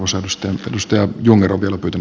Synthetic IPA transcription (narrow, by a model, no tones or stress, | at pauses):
ʋosæydust̪ɑjḛdust̪ɑjɑjuŋːeroʋʋielæpyːt̪æn